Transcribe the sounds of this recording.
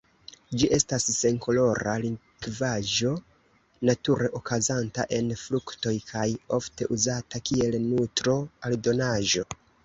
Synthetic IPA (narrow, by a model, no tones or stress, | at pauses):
d͡ʒiʔe̞stasːe̞ŋkʰo̞lo̞ɾa̰li | ɡvaʒo̞ | natuɾe̞ʔokazanta̰ʔe̞nflukto̞jkʰajo̞fte̞ʔuzatakie̞lnutɾo̞aldo̞naʒo̞